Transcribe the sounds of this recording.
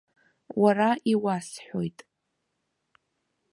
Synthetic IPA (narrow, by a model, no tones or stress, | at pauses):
waraʔiwasħʷᶣojtʼ